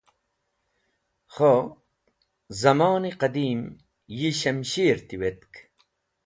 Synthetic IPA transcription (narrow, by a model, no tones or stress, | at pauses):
χo | zɐmɑːniqɐd̪iːm | jiɕɐmɕiːɾt̪iwet̪k